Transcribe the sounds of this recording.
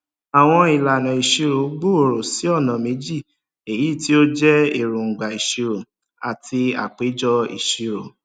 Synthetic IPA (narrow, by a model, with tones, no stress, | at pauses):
a˨w̃ɔ̃˧i˨la˨nã˨i˨ʃi˧ɾo˨o˨˦ɡ͡bo˦˨o˨ɾo˨si˨˦ɔ˦˨nã˨me˨˦d͡ʒi˦˨ | e˨jiː˨˦˨ti˦o˦d͡ʒɛ˦e˨ɾũ˨ŋ͡m̩˨ɡ͡ba˨i˨ʃi˧ɾo˨ | a˨tʰi˧a̰˨k͡pe˨˦d͡ʒɔ˦ḭ˨ʃi˧ɾo˨